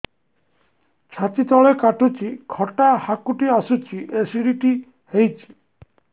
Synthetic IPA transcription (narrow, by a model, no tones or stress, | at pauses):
t͡ʃʰatit̪ɔɭekaʈut͡ʃʰikʰɔʈahakuʈiasut͡ʃʰiʔesiɽiʈi | hejt͡ʃʰi̥